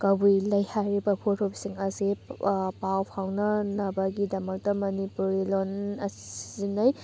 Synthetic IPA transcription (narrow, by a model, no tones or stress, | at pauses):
kɐbujlɐjhajɾibɐpʰotʰopsiŋɐsipawpʰawnɐnɐbɐɡidɐmɐk̚tɐmɐnipuɾilonɐsi̥zinɐj